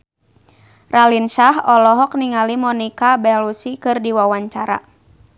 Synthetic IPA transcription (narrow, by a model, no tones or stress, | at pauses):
rʔalinʃaɦɔlɔɦɔk̚niŋalimɔnikabɛlusikɨrdiwawaɲt͡ʃaɾa̰